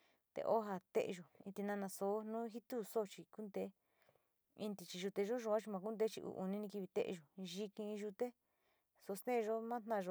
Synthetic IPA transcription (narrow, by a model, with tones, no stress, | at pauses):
t̪ḛ˧ʔo˦ɦa˧t̪ḛ˦ʔʒo˨ḭ̃˧t̪i˧nã˧nã˧so˧˦nũː˦ɦi˦t̪u˦so˦˧t͡ʃi˧ku˦nd̪e˧˦ | ĩ˧nt̪i˧t͡ʃi˧ʒu˧t̪e˧ʒo˦ʒo˧ã˦t͡ʃi˧mã˧k̬u˦nd̪e˧˦t͡ʃḭ˧ʔṵ˧˨ʔṵ˧nĩ˧nĩ˧ki˧βi˧t̪ḛ˦˧ḛ˧˨ʒo˨˧ʒi˧kĩ˧ʒu˧t̪e˦ | so˧st̪ẽ˦˧ʒo˦mã˦t̪nã˦˧ʒo˧